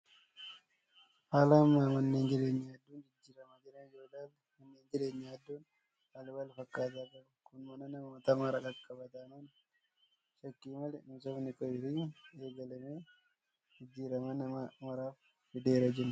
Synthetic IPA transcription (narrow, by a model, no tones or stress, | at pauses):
haːlɐmːaːmɐnːe̞ːnd͡ʒɪɾe̞ːɲːaɐd̪ːuːnd͡ʒɪd͡ʒːiːɾɐmɐd͡ʒɪɾɐɪd͡ʒoːlaːn | mɐnːeːnd͡ʒɪɾe̞ːɲːaɐd̪ːuːn | ɐlwɐlfɐkːaːt̪aːɡɐɾ | kʊnmɐnɐnɐmɐmɐt̪ɐmaɾɐɡɐkʼːɐbɐt̪aːnɐn | ʃɐkːiːmɐlnʊsɔfnɪkʼɔjɪfieːɡɐlɐmeː | d͡ʒɪd͡ʒːiːɾɐmɐnɐmɐmɐɾaːf | fɪd̪eːɾɐd͡ʒɪɾɐ